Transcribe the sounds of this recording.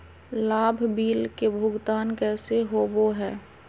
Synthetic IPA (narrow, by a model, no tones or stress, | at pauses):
laːbʱbiːlkebʱʊɡt̪aːnkɛːseɦoːboɦɛː